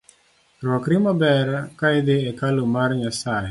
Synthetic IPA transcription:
ɾwɔkɾimabɛɾakajd̪ɪɛkalumarɲasaɦɛ

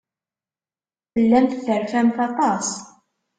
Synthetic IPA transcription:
θəlːæmθθəɾfæmθɑt̪ˤɑs

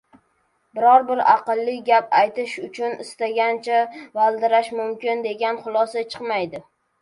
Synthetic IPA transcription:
bɪɾɒɾbɪɾɑ̰qɨlˠːɪɡʲapajt̪ɪʃʊt͡ʃʰʊnɪst̪aɡʲant͡ʃʰavalˠd̪ɪɾaʃmʊmkʲɪnd̪e̞ɡʲanχʊlˠɒsat͡ʃʰɨqmajd̪ɪ

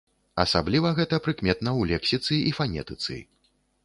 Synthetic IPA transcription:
ɐsablʲivɐɣɛt̪ɐpɾɨkmʲɛt̪nɐwlʲɛksʲit̪sɨifanʲɛ̰t̪ɨt̪sɨ̰

